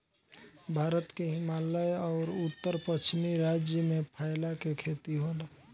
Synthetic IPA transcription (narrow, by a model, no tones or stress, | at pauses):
bʱaːɾət̪keɦɪmaːləjɔːɾʊt̪ːəɾpət͡ʃʰmiɾad͡ʒjəmẽpʰaːɪlakekʰet̪iɦol